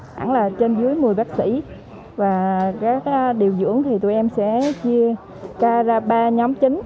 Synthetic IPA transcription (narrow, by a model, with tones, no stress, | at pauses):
ha̰˧˩ŋlaː˨˩t͡ɕe˧nzɨ˨˦əjmɨ˨˩əjɓaː˦˥k̚sḭ˧˥ | vaː˨˩kaː˦˥k̚ɗi˨˩əwzɨ̰˧˥əŋt̪ʰi˨˩t̪u˧˩jʔɛ˧msɛ̰˧˥t͡ɕi˧ə | kaː˧zaː˧ɓaː˧ɲɔ˨˦mt͡ɕï˨˦ŋ̟